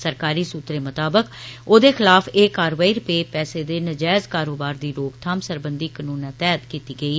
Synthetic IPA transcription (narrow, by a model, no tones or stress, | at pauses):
səɾkaːɾiːsuːt̪ɾeːmət̪aːbəkoːd̪eːxʰɪlaːfʰeːkaːɾʋaːiːɾʊpeːpɛːseːd̪eːnəd͡ʒaːzkaːɾoːbaːɾd̪iːɾoːɡt̪ʰaːmsəɾbənd̪iːkənuːnãːt̪ɛːt̪kiːt̪iːɡəiː